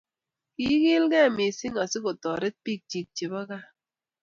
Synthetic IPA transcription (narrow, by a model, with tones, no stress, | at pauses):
ki˦ɣɪ˦lɡɛ˦˨mi˨sɪ˦ŋa˨sɪ˦ko˨tɔ˨ɾɪ˦t̚pi˦˨k̚t͡ʃi˨k̚t͡ʃi˨bɔ˦ɣa˦